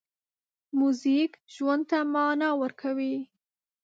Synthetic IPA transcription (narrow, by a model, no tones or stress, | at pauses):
muzikʒwand̪̚t̪amɑnɑwəɾkʰawi